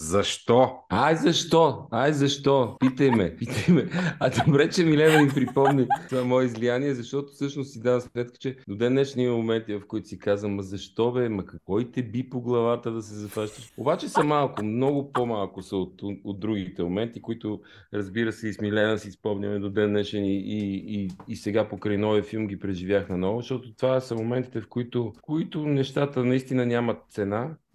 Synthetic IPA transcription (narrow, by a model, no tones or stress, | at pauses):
zɐʃt̪ɔajzɐʃt̪ɔajzɐʃt̪ɔpit̪əjmɛpit̪əjmɛɐd̪obɾɛt͡ʃɛmilɛnɐnipɾipɔmnit̪vamɔɛizlijaniɛzɐʃt̪ɔt̪ʊ̥sɤʃnʊsːid̪anəsmɛt̪kə̥t͡ʃɛd̪od̪ɛnːɛʃnimɐmomɛnt̪ivɐfkoʊit̪ʊ̥sikazvəmɐzɐʃt̪ɔbɛmɐkɐkvɔit̪ɛbipoɡlˠɐvat̪əd̪ɐsɛzɐfaʃt̪əʃobat͡ʃɛsɐmalˠkʊmnɔɡʊpomalˠkʊsɐot̪od̪̚ɾuɡit̪ɛmomɛnt̪ikoit̪ʊ | ɾɐzbiɾəsɛismilɛnəsispɔmnʲɐmɛd̪od̪ɛnːɛʃɛniiː | sɛɡapokɾəjnɔviəfilˠmɡipɾɛʒivʲjaxnɐnɔvʊʃt̪ɔt̪ʊt̪vasɐmomɛnt̪i̥t̪ɛfkoit̪ʊkoit̪ʊnɛʃt̪at̪ənɐist̪inənʲamɐt̪̚t̪sɛna